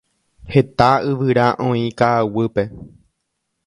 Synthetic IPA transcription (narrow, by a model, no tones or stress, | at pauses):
he̞t̪aɨʋɨɾaʔõĩkaːwɨpe̞